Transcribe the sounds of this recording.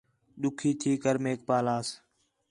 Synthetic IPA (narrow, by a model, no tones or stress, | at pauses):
ɗʊkʰiːt̪ʰiːkəɾmeːk̚paːlaːs